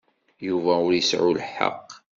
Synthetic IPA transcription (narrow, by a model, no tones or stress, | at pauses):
juvæʊɾjəsʕulħɑ̰qː